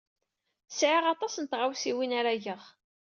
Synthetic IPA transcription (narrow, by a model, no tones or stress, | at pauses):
sʕiʁɑt̪ˤɑsənt̪ʁawsiwinaɾaʝəʁ